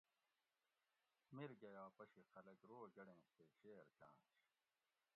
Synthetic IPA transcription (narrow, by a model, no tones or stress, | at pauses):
miɾɡɐjaːpɐɕiqʰɐlɐɡɾoːɡɐɽẽːseːɕeːɾkã̰ːt͡ɕ